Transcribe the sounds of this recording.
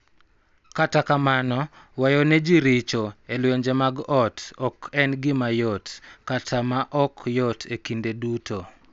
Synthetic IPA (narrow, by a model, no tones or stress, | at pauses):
katakamanɔ | wajɔned͡ʒiɾɪt͡ʃoelweɲd͡ʒemaɡɔtɔkɛnɡɪmajɔtkatʰamaʔɔkjɔtʰekindeduto